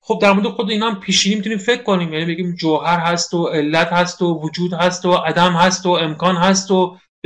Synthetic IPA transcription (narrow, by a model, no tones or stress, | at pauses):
xo̞b̚d̪æɾmoɾed̪xo̞d̪eiːnæmpʰiːʃiːnimit̪uniːmfe̞kʰːoniːmjæniːbe̞ɡiːmd͡ʒoɦæɾɦæst̪oe̞lːæt̪hæst̪ovod͡ʒuːd̪hæst̪oʔæd̪æmhæst̪oe̞mkʰɒːnɦæst̪o